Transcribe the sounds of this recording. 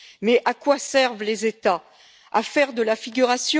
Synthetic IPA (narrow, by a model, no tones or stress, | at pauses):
mɛʔakwasɛʁvlezet̪a | a̰fɛʁd̪əlafiɡʲyʁasjɔ̃